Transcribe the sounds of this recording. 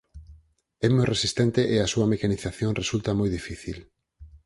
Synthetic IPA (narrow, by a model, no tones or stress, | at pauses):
ɛmojresist̪ɛnt̪eʔeasuɐmekaniθaθjoŋresult̪ɐmojðifiθil